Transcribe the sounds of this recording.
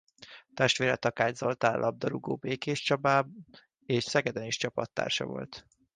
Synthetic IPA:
t̪ɛʃt̪ʋeːɾɛt̪ɒkaːɲzo̞lt̪aːlʔɒb̚d̪ɒɾuɡo̰ːbeːkeːʃt͡ʃɒbaːb | eːʃsɛɡɛd̪ɛniʃt͡ʃɒpɒt̪ːa̰ːrʃɒ̰vo̞̰lt̪

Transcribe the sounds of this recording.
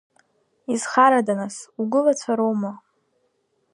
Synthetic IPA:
izχaɾadanasuɡʷʊlat͡sʷʰaɾowma

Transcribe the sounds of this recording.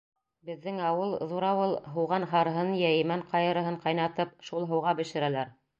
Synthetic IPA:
bɘ̆ðːɘŋɑwɤlˠðuɾɑwɤlˠɦɤ̆wʁɑnɦɑɾɤ̆ɦɤnjæjɘ̆mæɴqɑjɤ̆ɾɤ̆ɦɤɴqɑjnɑt̪ɤp̚ʃulˠɦɤ̆wʁɑbɘ̆ʃɘ̆ɾælæɾ

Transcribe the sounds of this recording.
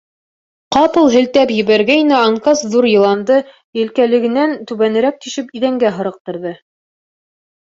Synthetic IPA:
qɑpɤ̆lˠɦɘ̆lt̪æpjɘ̆βæɾɡæinæɑŋkɑsðuɾjɤ̆lˠɑnd̪ɤ | jɘ̆lkælɘ̆ɡɘ̆nænt̪ʉβænɘ̆ɾæk̚t̪iʃɘpiðæŋɡæɦɤ̆ɾɤ̆q̚t̪ɤ̆ɾðɤ

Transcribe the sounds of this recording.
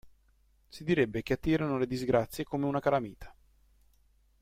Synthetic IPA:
sid̪iɾebːekeat̪ːiːɾanoled̪izɡɾat̪sːjekoːmeunakaɾamiːt̪ʰḁ

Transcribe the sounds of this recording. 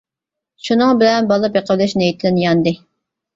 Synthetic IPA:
ʃunɨŋbɪlɛnbɑlˠɨpjeqʰəlɛʃnejit̪ʰlɪnjɑnd̪ɨ

